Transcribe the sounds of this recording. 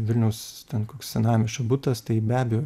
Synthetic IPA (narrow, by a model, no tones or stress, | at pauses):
ʋʲɪlʲnʲɛʊst̪ʲɛnkoːkssʲɛnɑːmʲɪʃɐbut̪ɐst̪ɐɪbʲæːbʲɛjoː